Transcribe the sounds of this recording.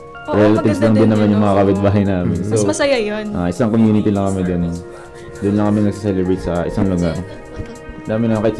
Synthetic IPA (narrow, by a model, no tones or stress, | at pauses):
ɾɛlɐt̪ɪbslɐŋd̪ɪnːɐmanjʊŋmɐŋakabɪd̪̚baːɦɐjnaːmɪnsomɐsɐjajonʔaːʔɪsaŋkomjuːnɪt̪ilɐŋkɐmɪd̪on | d̪ʊnlɐŋkɐmɪnɐɡ̚sɪsɛlɛbejt̪sɐʔɪsaŋlʊɡaɾ | d̪aːmɪnɐŋkɐʔɪt̪